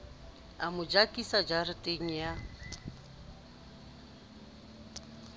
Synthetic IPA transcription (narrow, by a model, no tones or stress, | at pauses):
amʊd͡ʒakʼisad͡ʒarɪtʼeŋ̩ja